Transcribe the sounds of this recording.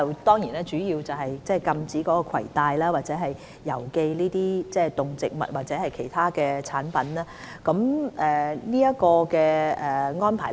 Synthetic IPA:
ɐ˨wt̪ɔː˥ŋjiː˨˩naː˥t͡ʃyː˨˥jiː˧wt͡sɐ˨wɦɐ˨jt͡sɛː˥˩kɐ˧mt͡siː˨˥kɔː˨˥kɔː˧kʰɐ̰˨˩jt̪aː˧jlaː˥waː˨t̚t͡sɛː˨˥ɦɐ˨jː | ɐ˨˩wke˧jliː˥t̪iː˥t͡sɛː˥˩t̪ʊ˨ŋt͡sɪ˨k̚mɐ̰˨t̚waː˨˩t͡sɛː˨˥hɐ˨jkʰe˨˩jt̪ʰaː˥kɛː˧t͡sʰaː˨˥npɐ˨˥nlaː˥ | kɐ˨˥mʔɛ˨˩niː˥jɐ˥kɔː˧kɛː˧ɛ˨˩ŋɔː˥npʰaː˨˩

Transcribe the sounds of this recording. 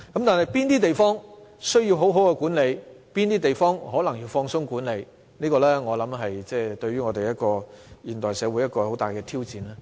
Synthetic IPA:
kɐ˨˥mt̪aː˨˩nhɐ˨jpiː˥nt̪iː˥t̪e˨˩jfɔː˥ŋsɵ˥ɥjiː˧wɦo˨˥wɦo˨˥wkɛ˧kuː˨˥nle˨˧jpiː˥nt̪iː˥t̪e˨jfɔː˥ŋɦɔː˨˥lɐ˨˩ŋji˧wfɔː˧ŋsʊ˥ŋkuː˨˥nle˨˧j | niː˥kɔː˧lɛː˥ŋɔː˨˧lɐ˨˥mɦɐ˨jt͡sɛː˥˩t̪ɵ˧ɥyː˥ŋɔː˨˧t̪e˨jɐ˥t̚kɔː˧jiː˨˩nt̪ɔː˨˩jsɛː˨˧wuː˨˥jɐ˥t̚kɔː˧ho˨˥wt̪aː˨˩jkɛː˧t̪ʰiː˥wt͡siː˨˧nɛː˥

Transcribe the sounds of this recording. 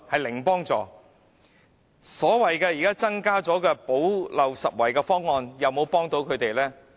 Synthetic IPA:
hɐ˨jlɪ˨˩ŋpɔː˥ŋt͡sɔ̰ː˨˩ | sɔː˨˥wɐ˨jkɛː˧jiː˨kaː˥t͡sɐ˥ŋkaː˥t͡sɔː˨˥kɛː˧po˨˥wlɐ˨wsɐ˨t̚wɐ˨˩jkɛː˧fɔː˥ŋːɔː˧njɐ˨˧wmo˨˧wpɔː˥ŋt̪o˨˥wkʰɵ˨˧ɥt̪e˨jlɛː˥

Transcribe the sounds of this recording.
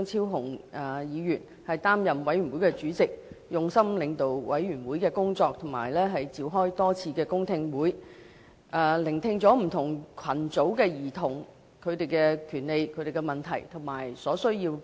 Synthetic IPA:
ŋt͡sʰiː˥wɦʊ˨˩ŋɛ˨˧jiː˨˧jyː˨˩n | hɐ˨jt̪aː˥mjɐ˨mwɐ˨˥jɥy˨˩nwu˨˥jkɛ˧t͡ʃyː˨˥t͡sɪ˨k̚jʊ˨ŋsɐ˥mlɪ˨˧ŋt̪o˨wwɐ̰˨˥jɥyː˨˩nwuː˨˥jkɛː˧kʊ˥ŋt͡sɔː˧k̚t̪ʰʊ˨˩ŋma̰ː˨˩jlɛː˥ɦɐ˨jt͡siː˨˧wɦɔː˥jt̪ɔː˥t͡sʰiː˧kɛː˧kʊ˥ŋt̪ʰɪ˧ŋwuː˨˥j | ɛː˨˧lɪ˨˩ŋt̪ʰɪ˧ŋt͡sɔː˨˥m̩˨˩t̪ʰʊ˨˩ŋkʰɐ˨˩nt͡so˨˥wkɛː˧jiː˨˩t̪ʰʊ˨˩ŋ | kʰɵ˨˧ɥt̪e˨jkɛː˧kʰyː˨˩nle˨˧jkʰɵ˧ɥt̪e˨jkɛ˧mɐ˨˩nt̪ʰɐ̰˨˩jt̪ʰʊ˨˩maː˨˩jsɔː˨˥sɵ˥ɥjiː˧w

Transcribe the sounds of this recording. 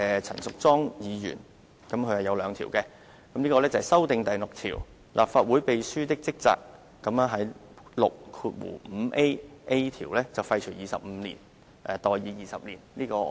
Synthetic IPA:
ɛ˨t͡sʰɐ̰˨˩nsʊ˨k̚t͡sɔː˥ŋjiː˨˧jy̰ː˨˩n | kɐ˨˥mkʰɵ˧jhɐ˨˩jɐ˨˧wlœː˨˧ŋt̪ʰiː˨˩wkɛ˧ | kɐ˨˥mnliː˥kɔː˧lɛː˥t͡sɐ˨hɐ˨˩sɐ˥wt̪ɪ˨˧ŋt̪ɐ˨jlʊ˨k̚t̪ʰḭː˨˩w | lʔa̰ː˨p̚faː˧t̚wuː˨˥jpe˨jsyː˥t̪ɪ˥k̚t͡sɪ˥k̚t͡sa̰ː˧k̚ː | ɐ˨˥ma˧ɦɐ˨˥j | lʊ̰˨k̚kʰuː˧t̚wṵ˨˩m̩ː˨˧ʔe˥jʔe˥jt̪ʰiː˨˩wlɛː˥t͡sɐ˨wfɐ˧jt͡ʃʰɵ˨˩jiː˨sɐ̰˨p̚m̩ː˨˧˥lḭː˨˩n | ʔɛ˨˧t̪ɔː˨jiː˨˧jiː˨sɐ˨p̚liː˨˩nliː˥kɔː˧

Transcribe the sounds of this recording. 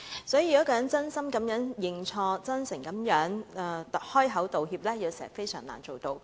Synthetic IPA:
sɔː˨˥jiː˧˨˩jɔ˨˥kɔː˧jœː˨˥t͡sɐ˥nsɐ˥mkɐ˨˥mjœː˨˥ŋjɪ˨ŋt͡ʃʰɔː˧t͡sɐ˥nsɪ˨˩ŋkɐ˨˦mjœː˨˥ŋ˨˩t̪hɔː˥jɦɐ˨˥wt̪o˨whiː˧p̚lɛː˥ji˧wsɛː˨˩˨fe˥jsœ̰ː˨˩ŋla̰ː˨˩nt͡so˨˩wt̪o˧w

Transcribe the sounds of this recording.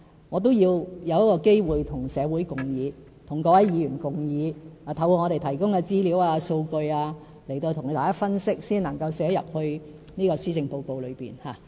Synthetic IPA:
ŋɔː˨˧t̪̬o˥wjiː˧wjɐ˨˧wjɐ˥kɔː˧ke˥jwuː˨jt̪ʰʊ˨˩ŋsɛː˨˧wuː˨˥jkʊ˨ŋjiː˨˧ | t̪ʰʊ˨˩ŋkɔː˧˥wɐ˨˥jjiː˨˧jyː˨˩nkʊ˨ŋjiː˨˧aː˨˩t̪ʰɐ˨˧wɔː˧ŋɔː˨˧ɾe˨jt̪ʰɐ˨˩jkʊ˥ŋkɛː˧t͡siː˥liː˨˥waː˧so˧wkɵ˧ɥaː˧ | le˨˩jt̪o˧wt̪ʰʊ˨˩ŋ˨˧t̪aː˨˩kaː˥fɐ˥nsɪ˥k̚siː˥nɐ˨˩ŋkɐ˧wsɛː˨˧˥jɐ̰˨p̚hɵ˧ɥ | niː˥kɔː˧siː˥t͡sɪ˨˧ŋpo˧wko˧wlɵ˨˧ɥpḭː˨˩nhaː˨

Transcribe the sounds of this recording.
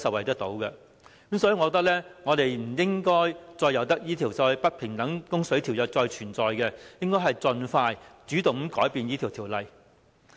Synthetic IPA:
sɐ˨wɐ˨jt̪ɐ˥k̚t̪o˨˥wkɛ˧ | kmsɔː˨˥i˨˧˥ŋɔ˨˧t̪ɐ˥lɛː˥ŋɔː˨˧t̪e˨jm̩˨˩jɪ˥ŋkɔː˥jt͡sɔː˧jːɐ˨˧wt̪̬ɐ˥k̚jiː˥t̪ʰiː˨˩wsɐ˨˧wpɐ˥t̚pʰɪ˨˩ŋt̪ɐ˨˥ŋkʊ˥ŋsɵ˨˥ɥt̪ʰi˨˩wjɐ˨˩t͡sɔː˧jt͡ʃʰyː˨˩nt͡sɔː˨jkɛ˧jɪ˥ŋkɔː˥jɦɐ˨jt͡sɵ˨nfaː˧jt͡syː˨˥t̪ʊ˨˩ŋm̩˨˥kɔː˨˥jpiː˨˧njiː˥t̪ʰiː˨˩wt̪ʰiː˨˩wlɐ˨j

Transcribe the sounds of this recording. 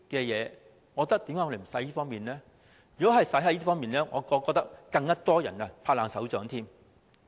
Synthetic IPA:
kɛː˧jɛː˨˧ | ŋɔː˨˧t̪ɐ˥k̚t̪iː˨˥maː˨˦˥jɔ˧˩e˨˩˨sɐ˨˥jiː˥fɔː˥ŋmiː˨nlɛː˥ | jy˨˩kɔː˨˥hɐ˨jsɐ˨˥jɦɐ˨˥jiː˥fɔː˥ŋmiː˨˩nlɛː˥ŋɔː˨˧kɔː˧kːɔː˧k̚t̪ɐ˥kkɐ˧ŋːɐ˥t̪ɔː˥jɐ̰˨˩nɐ˧pʰaː˧laː˨˧ŋsɐ˨˥wt͡ʃœː˨˥ŋt̪ʰiː˥m

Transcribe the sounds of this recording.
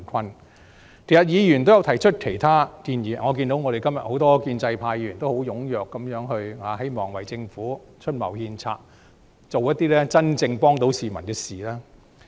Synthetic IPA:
nkʰɐ˥n | t̪ʰe˨˩jɐ˨t̚jiː˨˧jyː˨˩nt̪o˥wjɐ˧wt̪ʰɐ˨˩jt͡ʃʰɵ˥t̚kʰe˨˩jt̪ʰaː˥kiː˧njiː˨˩ŋɔː˨˧k̬iː˧nt̪o˨˥wŋɔ˨˧ɾe˨jkɐ˥mjɐ˨t̚ho˨˥wt̪ɔː˥kiː˧nt͡sɐ˧jpʰaː˧jiː˨˧y˨˩nt̪o˥who˨˥wjʊ˨˥ŋjœː˨kːɐ˨˥mjœː˨˥ŋɦɵ˧ɥhaː˨˧˥ɦe˥jmɔː˨˩ŋwɐ˨˩jt͡sɪ˧ŋfuː˨˥ | t͡ʃʰɵ˥t̚mɐ˨˩whiː˧nt͡sʰa̰ː˧t̚ | t͡so˨wjɐ˥t̪̚ːiː˥lɛː˥t͡sɐ˥nt͡sɪ˧ŋpɔː˥ŋt̪o˨˥wsiː˨mɐ˨˩nkɛː˧siː˨lɛː˥

